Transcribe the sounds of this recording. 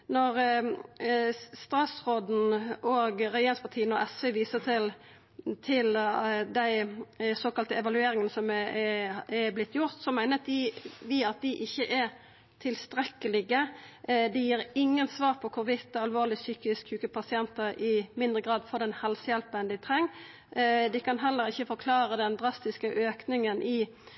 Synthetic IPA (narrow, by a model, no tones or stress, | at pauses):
nɔʁ | st̪ɾɑsʁoːd̪n̩ɔɡʁɛjeːnspʰɑt̪ʰiːənɔʔɛsʋɛʋiːsət̪ʰɪl | t̪ʰɪld̪æɪsoːkɑlt̪əɛʋɑlʉeːɾɪŋənəsɔm | ɛblɪt̪ʰːjʊʁt̪sɔmæɪnət̪d̪ɪʋiːɑt̪̚d̪ɪʔɪçːəʔɛ | t̪ʰɪlst̪ɾɛkːəlɪɡəd̪ɪjiːɾɪŋːənsʋɑːʁpʰɔkʰʊɾʋɪt̪ːəɑlʋoːʁlɪsyːkɪskʰʉːkəpʰɑsɪɛnt̪əʔɪmɪnd̪ɾəɡɾɑːd̪fɔʁd̪ɛnhɛlsəjɛlpəɛnd̪ɪt̪ʰʁɛŋː | d̪ɪkʰɑnɦɛlːəɾɪçːəfɔɾkʰlɑːɾəd̪ɛnd̪ɾɑst̪ɪskəʔøːknɪŋənʔɪ